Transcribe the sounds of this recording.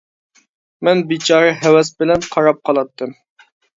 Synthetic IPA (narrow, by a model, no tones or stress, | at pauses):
mɛnbit͡ʃʰɑɾɨɦɛwɛsbɪlɛnqʰɑɾɑp̚qʰɑlˠɑt̪ʰːɨm